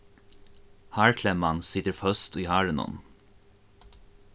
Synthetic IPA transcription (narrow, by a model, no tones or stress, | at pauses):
hæːɹkʰlɛmɑnsɪt̪əɹfœst̪iːhæːɹənɔ̰n